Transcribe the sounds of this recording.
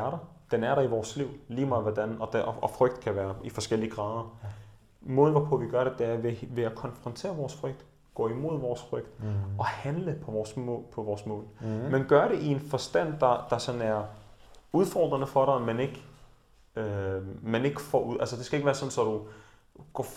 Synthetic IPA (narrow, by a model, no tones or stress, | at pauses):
æɐɾɑd̥enæɐɾɑ̈iʋɒːsliʊ̰liːmɑ̈ɪʋɒdænɒ̽d̥ɒɒfʁœɡ̥̚d̥kʰæʋæːɐifɒ̽sɡ̥el̰iəɡ̥ʁɑ̈ːð̞ˠɐ | mɔːln̩əʋɒpʰɔ̽ʋiɡ̥ɶɐɾed̥e̝æɐʋeʋe̝ækʰɒ̽nfʁɒ̽nt͡sʰe̝̰ːɐʋɒːsfʁœɡ̥̚d̥ | ɡ̥ɔ̰̽ːimo̝ð̰ˠʋɒːsfʁœɡ̥d̥ɒ̽hænləpʰɒ̽ɒspʰɒ̽ʋɒːsmɔ̰ːlmenɡ̥ɶɐɾe̝ʔie̝nfɒ̽sd̥æn̰d̥ɑ̈d̥ɑ̈sɒ̽næɐ | uð̞ˠfɒ̰ːd̥ʁɐnəfɒ̽ɾɑmæne̝ɡ̥ | ømæne̝ɡ̥əfɒ̰uðˠʔælsəd̥e̝sɡ̥æe̝ɡ̥ʋæːɐsɒ̽n̩sɒ̽d̥u | ɡ̥ɒ̰